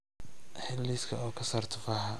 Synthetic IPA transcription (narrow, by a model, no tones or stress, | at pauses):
ħɪlːiskʰɐ̰ɔːkʰɐsaːrt̪ʰʊfaːhɐ